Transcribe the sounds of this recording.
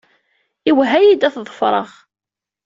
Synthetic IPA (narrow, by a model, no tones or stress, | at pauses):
iwɦæjid̪æθðˤəfɾˤə̰ʁ